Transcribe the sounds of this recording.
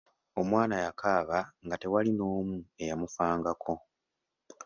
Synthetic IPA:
o̞mwaːnajakʰaːβaŋɡate̞walino̞ːmue̞jamufaːŋɡakʰo̞

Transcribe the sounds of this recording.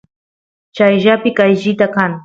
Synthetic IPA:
t͡ʃajʒapɪkajʒɪt̪akaŋ

